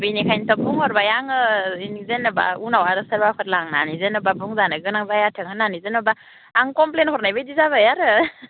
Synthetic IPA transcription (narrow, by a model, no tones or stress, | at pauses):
bɯjnikʰajntʰɔbuŋhɔɾbajaŋɯinizenɔba̰unawaɾɯsaɾbakʰɯt̚laŋna̰nizenɯbabuŋzanɯɡɯnaŋzajatʰɯŋɯnanizenɔbaː | ŋkɔmplenhɔɾnajbajdizaβajaɾɯ